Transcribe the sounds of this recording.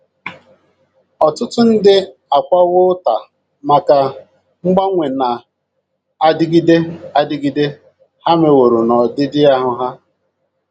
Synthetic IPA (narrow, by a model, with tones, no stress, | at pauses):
ɔ˨tʊ˦tʊ˦n̩˦dɪ˦a˨kʷa˦ɣʊ˦ta˨ | ma˨ka˨ | ŋ͡m̩˦ɡ͡ba˦ŋʷe˨na˨ | a˨dɪ˦ɡi˦de˦a˦dɪ˦ɡi˦de˦ | ha˦me˨wo˨ɾo˨nɔ˨dɪ˦dɪ˦a˦ɦʊ˨ɦa˦